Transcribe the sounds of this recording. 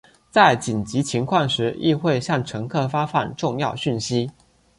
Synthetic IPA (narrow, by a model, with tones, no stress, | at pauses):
t͡sa˥˩ɪt͡ɕi˨˩nt͡ɕi˨˥t͡ɕʰi˧˥ŋkʰwɑ˥˩ŋʂɻ̩˧˥ḭ˥˧xwe˥˧ɪɕjɑ˥˩ŋʈ͡ʂʰɤ˧˥ŋkʰɤ˥˩fa˥fa˨˩nʈ͡ʂʊ˥˧ŋjɑ˥˧ʊɕy˥˩nɕi˥